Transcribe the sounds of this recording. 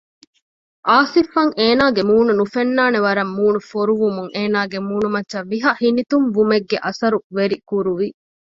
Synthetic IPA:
ʔaːsifɐŋeːnaːɡemuːnunufenːaːneʋɐɾɐmːuːnufoɾuʋumuŋʔeːnaːɡemuːnumɐtːʃɐʋiɦɐhinit̪umʋumeɡːeʔɐsɐɾuʋeɾikuɾuʋi

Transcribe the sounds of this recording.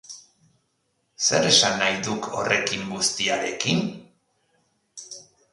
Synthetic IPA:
se̞ɾe̞sanːajðukʰo̞̰re̞kiŋɡust̪iaɾe̞kin

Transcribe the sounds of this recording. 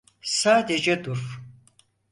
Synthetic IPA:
saːd̪ed͡ʒɛd̪uɾf

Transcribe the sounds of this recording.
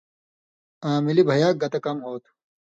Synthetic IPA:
aːmilibʱɐjaːk̚ɡɐt̪ɐkɐmɦoːt̪ʰ

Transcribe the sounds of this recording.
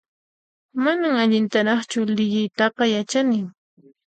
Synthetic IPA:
manamaʎɪnt̪aɾɑχt͡ʃʊlɪʎɪjt̪ɑqɑjat͡ʃanɪŋ

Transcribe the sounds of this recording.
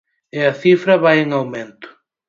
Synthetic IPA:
eɐθifɾɐβajeŋawmẽnt̪ʊ̥

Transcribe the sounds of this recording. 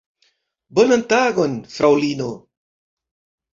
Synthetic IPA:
bonant̪aɡonfɾawlino

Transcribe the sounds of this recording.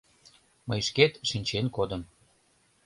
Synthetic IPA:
məjʃket̪ʃinʲt͡ɕenkod̪əm

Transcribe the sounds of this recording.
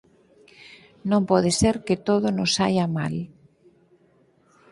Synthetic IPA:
nõmpɔðeseɾket̪oðonosa̰jama̰l

